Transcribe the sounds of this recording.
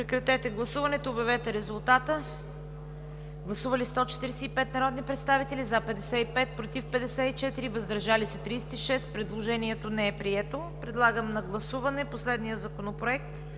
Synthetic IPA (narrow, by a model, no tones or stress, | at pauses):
pɾɛkɾɐt̪ɛt̪ɛɡlˠɐsuvɐnɛt̪oːbʲɛɐvɛt̪ɛɾɛzʊlˠt̪at̪ə | ɡlˠɐsuvɐlist̪ɔt͡ʃɛ̥t̪iɾɛsɛipɛt̪nɐɾɔd̪nipɾɛt̪st̪avit̪ɛlizapɛd̪ɛsɛipɛt̪̚pɾot̪ifpɛd̪ɛsɛit͡ʃɛt̪iɾivɐzd̪ɐɾʒalisɐt̪ɾijsɛ̥t̪iʃɛspɾɛd̪lˠoʒɛniɛt̪onɛɛpɾiɛt̪o | pɾɛd̪lˠaɡəmnɐɡlˠɐsuvɐnɛposlɛd̪nijəzɐkonopɾoɛk̚t̪